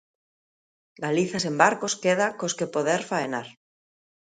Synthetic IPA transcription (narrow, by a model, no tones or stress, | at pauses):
ɡaliθasembaɾkoskeð̞akoskepoðeɾfaenaɾ